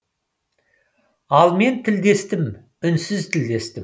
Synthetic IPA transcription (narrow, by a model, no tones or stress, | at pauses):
ɑlˠme̞nt̪ʰɪld̪e̞st̪ɪm | ʏnsɪzt̪ʰɪld̪e̞st̪ɪm